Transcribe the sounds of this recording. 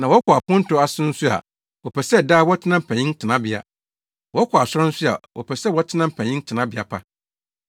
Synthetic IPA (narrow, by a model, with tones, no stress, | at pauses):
nã˨wɔ˦kɔ˨a˨pʰʊ̃˦n̩˦tʰʊ˨˦a˦sɪ̃˦n̩˦sʊ˦a̰˨ | wɔ˨pʰɛ˨sɛ˦˨daː˦wɔ˦tʰɪ˦nã˦m̩˨pʰɛ̃˨ɲɪ̃˦n˦tʰɪ˨nã˦bɪ˨a̰˨ | wɔ˦kʰɔ˨a˨sʊ˦ã˦n̩˦sʊ˦a̰˨wʔɔ̰˨pʰɛ˨sɛ˦wɔ˦tʰɪ˦nã˦m̩˨pʰɛ̃˨ɲɪ̃˦n˦tʰɪ˨nã˦bɪ˨a̰˨pʰa˦